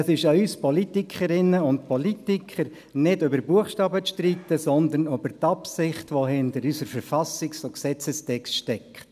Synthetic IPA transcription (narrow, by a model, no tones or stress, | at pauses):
sɪʃayspɔlit̪ikʰəɾɪnːəʊntpʰɔlitikʰəɾ | nɪdʏbəɾbuəχʃtɑːbət͡sʃtrit̪ːəsɔnd̪ənøb̥əɾt̪ɑpsɪχtʋohɪntəɾysəɾfɛɾfɑsiksoksɛt͡səstʰɛkstʃtɛkt